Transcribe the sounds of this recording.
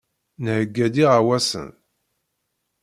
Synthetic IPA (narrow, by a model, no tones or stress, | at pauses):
nhəɡːæd̪iʁawæsə̰n